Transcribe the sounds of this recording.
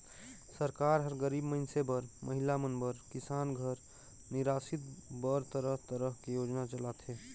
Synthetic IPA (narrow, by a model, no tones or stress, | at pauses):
səɾkaɾɦəɾɡəɾibməɪnsebəɾmʔəɦilamənbəɾkisaːnɡʱəɾ | niɾasit̪bəɾt̪əɾəɦt̪əɾəɦkejod͡ʒnat͡ʃəlat̪ʰɦe